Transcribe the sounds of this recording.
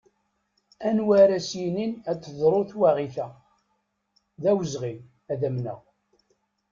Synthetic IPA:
ænwæɾæsjininæt͡s̪ːəðˤɾˤoθwaʁiθæ | ðæwəzʁin | æðæmnə̰ʁ

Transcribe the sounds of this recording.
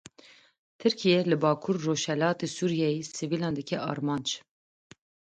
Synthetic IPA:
t̪ʰɨɾkʰijɛlɨbɑːkʰuɾːoːʃhɛlɑːt̪esuːɾijɛjisivilɑːnd̪ɨkʰɛʔɑ̰ːɾmɑːnd͡ʒ

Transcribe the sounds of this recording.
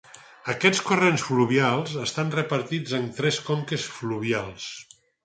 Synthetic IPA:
əkɛt͡skurensfluβialˠzəst̪anrəpəɾt̪id͡zənt̪ɾɛskomkesfluβ̞ialˠs

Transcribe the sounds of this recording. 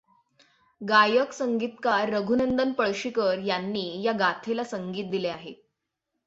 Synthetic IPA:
ɡajəksəŋɡit̪kaɾːəɡʱunənd̪ənpəɭɕikəɾjanːiːjaɡat̪ʰelasəŋɡiːt̪̚d̪ileaɦe

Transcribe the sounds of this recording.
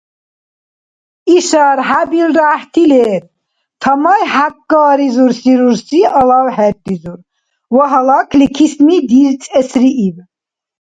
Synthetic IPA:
iʃaɾɦabilɾaht̪ʰilɛːt̪ | t̪ʰamajhakːaːɾizuɾsiɾuɾsiʔalawhɛt̪ʼːizuɾ | wɔɦalakʰlikʰismid̪iɾt͡sʼɛsɾiʔib

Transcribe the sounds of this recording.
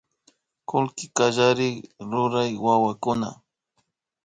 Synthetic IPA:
kʊlkɪkaʒaɾɪkɾʊɾajwawakʊna̰

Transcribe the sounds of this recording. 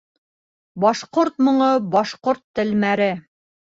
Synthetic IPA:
bɒʃqoɾt̪mŏɴɤbɒʃqoɾt̪ːɘ̆lmæɾɘ

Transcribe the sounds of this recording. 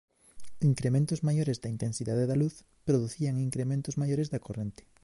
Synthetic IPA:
iŋkɾemẽnt̪ozmajoɾezd̪aint̪ẽnsiðaðeðaluθ | pɾoðuθiaŋiŋkɾemẽnt̪ozmajoɾezðakorẽnt̪e̥

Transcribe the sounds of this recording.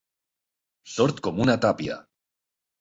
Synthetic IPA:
soɾt̪komunat̪apja̰

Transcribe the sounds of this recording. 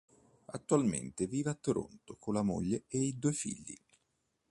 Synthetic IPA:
at̪ːualmḛnt̪eviːvat̪ːoɾo̰nt̪okʰolamo̰ʎːeeid̪uefḭʎːḭ

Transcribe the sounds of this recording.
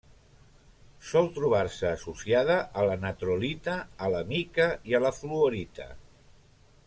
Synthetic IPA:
sɔlˠt̪ɾuβ̞aɾsəːsusiað̞əʔːlənət̪ɾulit̪əːləmikəiələfluoɾit̪ə̰

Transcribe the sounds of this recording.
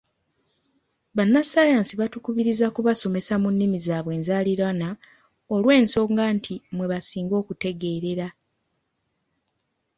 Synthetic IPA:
βanːasajaːnsiβatukuβiɾizakuβaso̞me̞samunːimizaːβwe̞ːnzaliɾana | olwe̞ːnso̞ːŋɡaːntʰimwe̞βasiːŋɡo̞ːkute̞ɡe̞ːɾe̞ɾa

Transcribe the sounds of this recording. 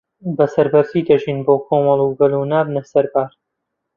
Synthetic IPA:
bɐsɐɾbɐɾziːd̪ɐʒiːnboːkʰoːmɐlˠuːɡɐluːnaːbnɐsɐɾbaːɾ

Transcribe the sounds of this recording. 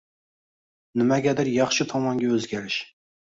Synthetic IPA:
nɪmɛɡʲɛd̪ɪɾjɑχʃit̪ʰɑmɑŋɡʲɛøzɡʲɛɾɪʃ

